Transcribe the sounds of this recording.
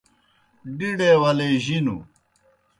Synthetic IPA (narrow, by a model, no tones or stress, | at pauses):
ɖiɽewɐleːʑinṵ